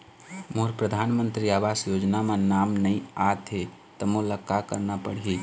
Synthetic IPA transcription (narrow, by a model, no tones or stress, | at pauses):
moɦɾpɾəd̪ʱanmənt̪ɾiabasjod͡ʒnamenamnəjat̪ʰe | t̪əmoləkːakəɾnapəɽ̤ii